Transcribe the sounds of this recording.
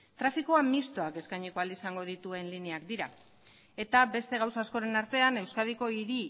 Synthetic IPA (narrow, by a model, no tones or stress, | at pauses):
t̪ɾafikoamist̪o̞ake̞skajɲiko̞ald̪isaŋɡo̞ð̞it̪ue̞nliniakd̪iɾa | e̞t̪abe̞st̪e̞ɣ̞awsaːsko̞ɾe̞naɾt̪e̞ane̞wskað̞iko̞iɾi